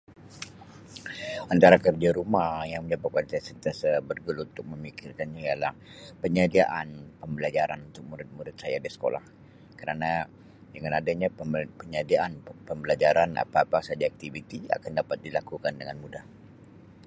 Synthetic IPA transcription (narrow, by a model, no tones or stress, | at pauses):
ant̪aɾakərd͡ʒaɾumahjaŋməɲd͡ʒapat̚kansajasənt̪jasabərɡəlunt̪ʊk̚məmikɪrkanɲaijalahpəɲadiaʔanpəmbəlad͡ʒaɾanunt̪ʊk̚muɾɪt̪̚muɾɪt̪̚sajadisə̥ko̰la̰h | kəɾana | dəŋanadaɲapəɲadiaʔanpəmbəlad͡ʒaɾana̰paːpasad͡ʒaak̚t̪ivit̪ia̰kandapat̪̚dilakukandəŋanmudah